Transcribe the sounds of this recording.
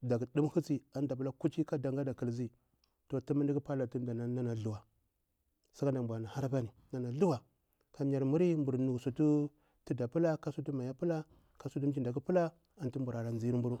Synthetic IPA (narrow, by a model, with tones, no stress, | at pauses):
da˨ɡi˨ɗu˦mhu˦t͡si˦a˨n˦da˨p̬u˦la˦ku˦t͡ʃi˦ka˦da˨ŋɡa˦da˨kə˨lzi˦ | to˨ti˦mi˦ndi˦ɡi˦pa˦la˨tu˦nda˨na˨na˦na˨ɮu˨wa˨ | sa˦ka˦nda˨m˨bʷa˨na˨ha˦ɾba˦ni˨na˨na˨ɮu˦wa˨ | ka˨m˦ja˨ɾmu˦ɾi˦mbu˨ɾnu˨ksu˨tu˦ | ti˦da˨pu˦la˦ka˦su˦tu˦ma˨ja˦pə˦la˦ | ka˨su˦tu˦m˦d͡ʒi˦nda˨k̬u˦pə˦la˦ | a˨ntu˦mbu˨ɾa˨ɾa˨nzi˦mbu˦ɾu˦